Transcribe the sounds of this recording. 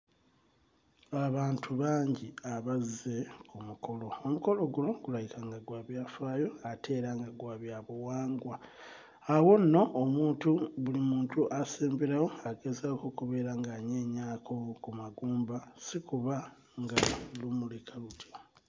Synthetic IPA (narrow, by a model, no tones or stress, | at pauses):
aβaːntʰuβaːɲɟiaβaze̞kumukʰo̞lo̞omuko̞lo̞ɡulo̞ɡulajikaŋɡaɡwaːβjaːfaːjo̞atʰe̞ːɾaŋɡaɡwaːβjaβuwaːŋɡwaː | wo̞nːo̞ːmuːntuβulimuːntuʔaseːmbeɾajo̞aɡe̞zakokuβe̞ːɾaŋɡaɲeːɲaːkʰo̞kumaɡuːmbasikuβa | ŋɡalumulekʰalutʰi